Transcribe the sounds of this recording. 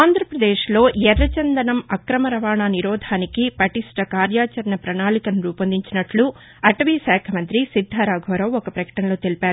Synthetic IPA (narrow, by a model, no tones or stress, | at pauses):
aːnd̪ʱɾɐpɾɐd̪eːʃlo̞ːɛɾːɐt͡ʃɐnd̪ɐnɐmɐkɾɐmɐɾɐʋaːɳaːniɾɔːd̪ʱaːnikipɐʈiʂʈɐkaːɾjaːt͡ʃɐɾɐnɐpɾɐnaːlikɐmɾuːpɐnd̪iɲt͡ʃinɐʈlu | ɐʈɐʋiːʃaːkʰɐmɐnt̪ɾisid̪ʱːaːɾaːɡʱoːɾɐwɔkɐpɾɐkɐ̥ʈɐnɐlo̞ːt̪elipaːɾu